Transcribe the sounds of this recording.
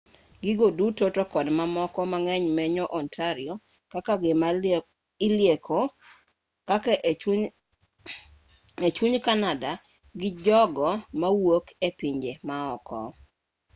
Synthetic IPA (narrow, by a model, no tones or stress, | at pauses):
ɡɪɡodutotokɔdmamɔkɔmaŋɛɲmɛɲɔʔɔntʰaɾɪo | kakaɡɪm | ɪleko | kakʔ | et͡ʃuɲkanada | ɡɪd͡ʒɔɡɔmawokʰepiɲd͡ʒemaɔkɔ̰